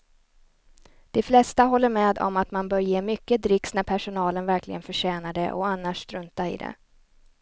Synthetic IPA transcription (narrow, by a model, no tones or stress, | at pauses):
d̪̥ɛflɛst̪aɦɔlːəɾmeːd̪ɔ̰mat̪manbœːɾjeːmʏkːəd̪ɾɪksnæɾpʰæʂʊnɑːlənvæɾklɪɡənfœʂɛːnad̪əʔɔ̰anːaʂt̪ɾɵnt̪aɪ̰d̪ɛ̰